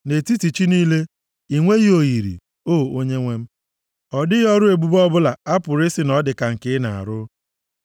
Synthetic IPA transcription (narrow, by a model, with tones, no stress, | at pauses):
ne˨ti˦ti˨t͡ʃi˦niː˦le˦ | i˨ŋʷe˦ɣi˦o˨ɣi˨ɾḭ˨ | oː˦˨o˦ɲe˦ŋʷe˦m̩˦ | ɔ˨dɪ˦ɣɔ˦ɾʊ˦e˨ɡ͡bu˦bɔ˦bʊ˦la˨a˦pʊ˨ɾɪ˦sɪ˨nɔ˦dɪ˨ka˨ŋ̩˨kɪ˦na˨a̰˨ɾʊ˦